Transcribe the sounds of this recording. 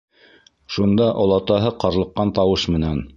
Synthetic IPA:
ʃund̪ɑʔŏlˠɑt̪ɑɦɤqɑɾlˠɤ̆qːɑnt̪ɑwɤʃmɘ̆næn

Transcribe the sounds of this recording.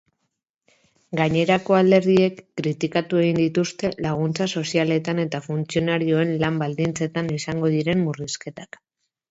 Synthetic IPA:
ɡaɲe̞ɾako̞ald̪e̞ɾðie̞kːɾit̪ikat̪ue̞ɣ̞ind̪it̪ust̪e̞laɣ̞unt͡saso̞siale̞t̪ane̞t̪afunt͡sio̞naɾio̞e̞nlambald̪int͡se̞t̪anisaŋɡo̞ð̞iɾe̞mːuriske̞t̪ak

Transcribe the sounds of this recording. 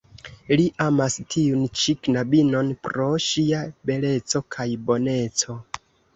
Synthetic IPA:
liʔamastʰiunt͡ʃiknabino̞npɾo̞ʃiabe̞le̞t͡so̞kʰajbo̞ne̞t͡so̞

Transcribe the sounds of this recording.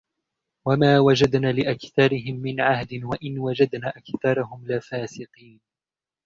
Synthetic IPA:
wamaːwad͡ʒad̪naːlɪʔakθɑɾɪɦɪmːɪnʕahd̪ɪnwaʔɪnwad͡ʒad̪naːʔakθɑɾˤɑɦʊmlɪfaːsɪqiːn

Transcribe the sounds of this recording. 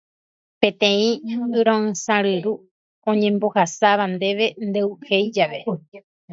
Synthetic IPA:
pẽ̞t̪ẽ̞ĩɨɾõɨ̃sãɾɨɾu | õɲẽ̞mbo̞hasaʋand̪e̞ʋe̞nd̪ewhejd͡ʒaʋe̞

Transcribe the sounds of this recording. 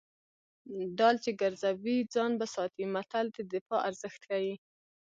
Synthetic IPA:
ɖɑlt͡ʃeɡaɾzawid͡zɑnbasɑt̪imat̪ald̪əd̪ɪfɑʔaɾzəxt̪kawi

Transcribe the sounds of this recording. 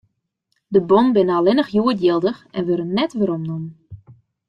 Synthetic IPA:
dəbɔnbɪnəalɪnəxjuətjɪlˠdəxɛnʋøɾənːɛtʋəɾɔmnumən

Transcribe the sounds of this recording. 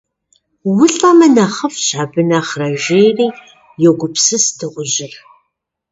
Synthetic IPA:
wʊɬʼɐmɐnɐχɐfɕʼabɨnaːχrɐʒeːriː | jɛɡʷʊpsɨsdɨʁʷʊʑɪr

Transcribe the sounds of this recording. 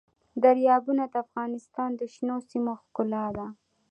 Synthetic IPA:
d̪aɾjɑbunad̪əafɣɑnɪst̪ɑnd̪əʃnosimoxkʊlɑd̪a

